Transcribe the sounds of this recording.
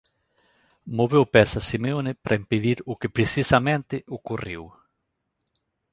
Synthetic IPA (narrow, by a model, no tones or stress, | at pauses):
moβewpɛsasimeonɪpɾʔɐimpeðiɾʊkɪpɾesisamẽnt̪ɪʔokuriw